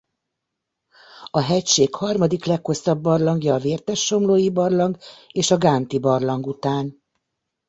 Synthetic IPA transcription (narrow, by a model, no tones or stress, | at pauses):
ɒɦɛcʃeːkhɒrmɒd̪iklɛkho̞st̪ɒbːɒrlɒŋɡjɒːveːrt̪ɛʃːo̞mloːjibɒrlɒŋɡeːʃɒɡaːnt̪ibɒrlɒŋɡut̪aːn